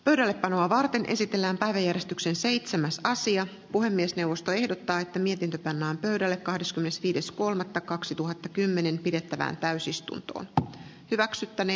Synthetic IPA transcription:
pø̞ɥdælːe̞pːɑno̞ɑʋɑrt̪e̞nʔe̞̰sit̪e̞lːæːmpæjʋæjːærjest̪ykse̞nse̞jt̪semæsɑsiɑ | puhe̞mːiesne̞wʋːo̞st̪o̞e̞hdo̞t̪ːɑːet̪ːæmiet̪int̪øpɑnːæːmpø̞ɥdælːekkɑhdeskymːenesʋiːde̞sko̞lmɑt̪ːɑkɑksit̪uɦɑt̪ːɑkymːe̞ne̞mpide̞t̪ːæʋæ̰ːnt̪æysist̪ṵnt̪o̰ːn | hyʋæksyt̪ːæne

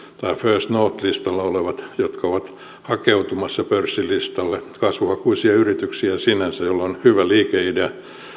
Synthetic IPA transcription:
t̪ɑiføːst̪noːt̪list̪ɑlːɑoleʋɑt̪jot̪kɑoʋɑt̪ | hɑkeut̪umɑsːɑpørsːilist̪ɑlːekɑsʋuhɑkuisiɑyrit̪yksiæsinænsæjolːonhyʋæliːkeideæ

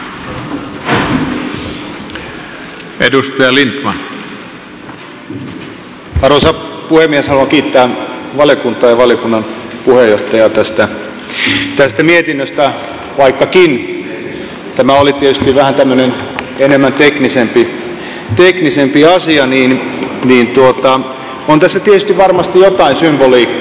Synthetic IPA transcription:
edust̪ejɑlint̪mɑn | ɑrosɑpuhemːieshɑluɑŋkiːt̪ːæːʋɑljokunt̪ˑɑːjɑʋɑljokunːɑnpuhejːoht̪ɑjɑt̪æst̪æ | t̪æst̪æmiet̪inːøst̪æ | ʋɑikːɑkin | t̪æmæolit̪iet̪yst̪iʋʋæhænt̪æmːønen | enemːænt̪eknisempi | t̪eknisempiɑsiɑniːnniːnt̪uot̪ɑ | ont̪æsːæt̪iet̪yst̪iʋʋɑrmɑst̪ijot̪ɑinsymboliːkː

